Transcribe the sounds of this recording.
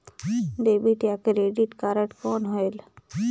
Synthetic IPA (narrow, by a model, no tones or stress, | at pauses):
ɖeːbiʈjakeɾeːɖiʈkaːɾəʈkɔːnɦoel